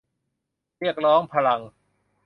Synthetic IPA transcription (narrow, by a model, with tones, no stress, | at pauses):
ɾi˥˩ək̚ɾɔː˦˥ŋpʰa˧la˧ŋ